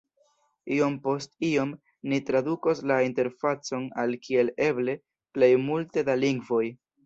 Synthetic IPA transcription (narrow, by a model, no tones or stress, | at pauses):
io̞mpo̞stio̞m | nitɾadukoslainte̞ɾfat͡so̞nalkʰie̞le̞ble̞ | ple̞jmulte̞daliŋɡvo̞j